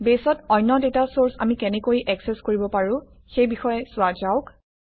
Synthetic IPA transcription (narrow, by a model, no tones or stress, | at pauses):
besɔtɔjnːɔdetasoɹsa̰mikɛnɛkojʔɛksɛskoɹibɔpaɹʊ̃ | xejbixɔjɛsʊazaʊk